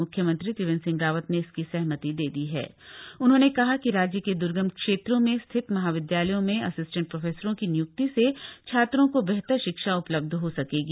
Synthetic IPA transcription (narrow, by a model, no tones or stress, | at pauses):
ʊkʰːjəmɐ̃nt̪ɾit̪ɪʋɪ̃nsɪ̃ŋɡaːʋət̪neɪskisɛɦmət̪id̪eːd̪iɦɛ̰ː | ʊnɦõːnekɐɦakiɾaːd͡ʒjəked̪ʊɾɡəmkʃeːt̪ɾõmẽst̪ʰɪt̪mɐɦaːʋɪd̪jaːləjõmẽɐsɪsʈə̃ɳʈ̚pɾoːfʰeːsəɾõkinɪjʊk̚t̪isekt͡ʃʰaːt̪ɾõkobɛɦt̪əɾʃɪkʃaʊpləb̚d̪ʱɦosɐkeːɡiː